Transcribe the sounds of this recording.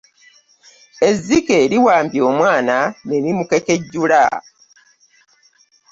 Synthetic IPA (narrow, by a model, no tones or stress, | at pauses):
e̞zːike̞ːɾiwaːmbjo̞ːmwaːnane̞nimuke̞ke̞ɟːula̰